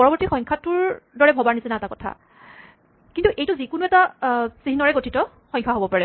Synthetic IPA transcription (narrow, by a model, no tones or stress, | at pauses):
pɔɹɔbɔɹtixɔ̃jŋkʰatʊɹdɔɹɛbʱɔbaɹnisɛnaɛtakɔtʰa̰ | kintuʔejtuzikʊnuɛtasiɦinɔɹɛɡotʰitɔ | xɔ̃j̃kʰaɦobɔpaɹɛ